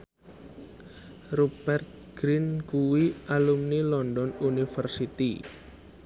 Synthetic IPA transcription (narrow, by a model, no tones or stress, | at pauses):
rɔbɛrt̪̚ɡ̥ɾinɡuwiʔalumnilɔndɔnunifərsit̪ḭ